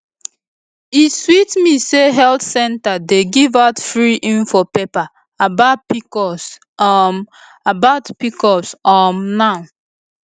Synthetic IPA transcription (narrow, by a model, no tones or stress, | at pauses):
iswitmiseɦɛltsɛ̃ntadeɡivaʊtfɹiʔĩnfɔpepaː | baʊtpis | abaʊtpikɔpsɔmnaʊ